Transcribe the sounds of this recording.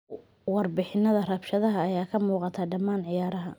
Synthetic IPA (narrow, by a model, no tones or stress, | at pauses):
wɑrbɪħɪnːɐðɐrɐbʃɐðɐɦɐːjaːkʰɐmuːqɑt̪ʰaːɖɐmaːnʕɪjaːɾɐɦɐ